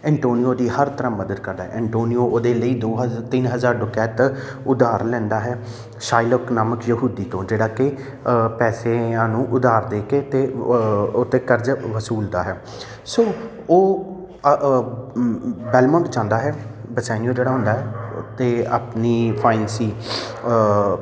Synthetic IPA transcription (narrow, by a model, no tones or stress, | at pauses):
ɛ̃ːɳʈoːnijoːd̪iːhəɾt̪əɾãːməd̪əd̪̚kəɾd̪aːɦɛ̰ɛ̃ɳʈoːnioːʔoːd̪eːləiːd̪oːɦt̪ɪnɦəzaːɾɖʊkɛːt̪ | ʊd̪aːɾlɛ̃ːnd̪aːɦɛː | ʃaːɪləknaːməkjəɦuːd̪iːt̪õːd͡ʒeːɽaːkɪ | pɛːseãːnũːʔʊd̪aːɾd̪eːkeːt̪eːot̪ːeːkəɾd͡ʒʋəsuːld̪aːɦɛː | soː | oː | bɛːlmɔ̃ːɳʈt͡ʃãːnd̪aːɦɛːbəsɛːnijoːd͡ʒeːɽaːɦʊ̃nd̪aːɦɛ̰ːt̪eːa̰ːpniːpʰaːɪnsiː